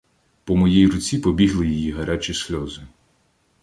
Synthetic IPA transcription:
pɔmɔjijrʊt͡sʲipɔbʲiɦlˠɪjijiɦɐɾat͡ʃʲisʲlʲɔzɪ

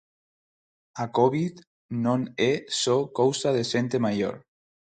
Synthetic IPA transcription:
akoβit̪ | nõnesokowsaðezent̪emajo̰ɾ

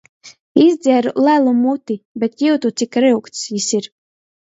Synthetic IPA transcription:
izd̪zʲɛɾulælˠumut̪ibɛt̪juwt̪ut̪sikɾɨwkt̪sjisiɾ

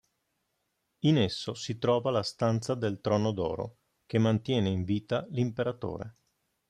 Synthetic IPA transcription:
inesːosit̪ɾɔːvalast̪ant̪sad̪elt̪ɾɔːnod̪ɔ̰ːɾo̰ | kemːant̪jɛːneiɱviːt̪alimpeɾat̪o̰ːɾḛ

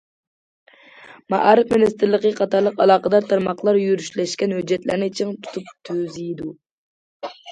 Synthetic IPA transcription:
mɑ̰ʔɑɾɨfminist̪ɪɾlˠəqəqʰɑt̪ʰɑɾlˠəqɑlˠɑːqəd̪ɑɾt̪ʰɑɾmɑqlˠɑɾjyɾyʃlɛʃkʲɛnhød͡ʒːɛt̪læ̰ɾnɪt͡ʃʰiŋt̪ʰu̥t̪ʰup̚t̪ʰøzid̪u

